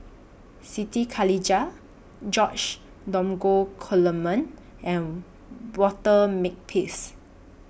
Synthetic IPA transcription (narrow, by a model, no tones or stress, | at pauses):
sitikʰalid͡ʒa | d͡ʒɔt͡ʃ | dɔ̃mɡokʰɔləmə̃n | ʔɛ̃n | wɔtəmek̚pʰes